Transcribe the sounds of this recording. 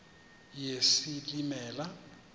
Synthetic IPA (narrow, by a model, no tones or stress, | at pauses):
jesilimɛːla